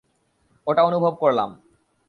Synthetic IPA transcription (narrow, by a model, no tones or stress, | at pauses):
oʈaonubʱob̚koɾla̰m